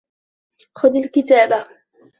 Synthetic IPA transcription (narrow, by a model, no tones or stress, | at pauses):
xʊd̪alkɪt̪aːba